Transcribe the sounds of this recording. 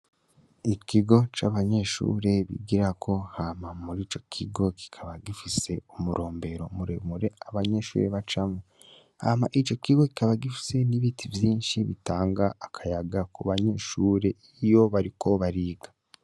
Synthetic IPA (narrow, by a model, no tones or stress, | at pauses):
ikiɡo̞t͡ʃaːβaɲe̞ʃṵːɾe̞βḭɡiɾakʰo̞hamamuɾiːt͡ʃo̞kʰiɡo̞ki̥kʰaβaɡifise̞umuɾʔo̞ːmbe̞ɾo̞muɾḛmuɾe̞aβaɲe̞ʃṵːɾeβat͡ʃamu | haːma̰ʔit͡ʃo̞kiɡo̞ki̥kaβaɡifi̥se̞niβiːtʰivjiːnʃiβitaːŋɡaːkʰajaɡakuβaɲe̞ʃuːɾe̞ijo̞βaɾikʰo̞βaɾiːɡḁ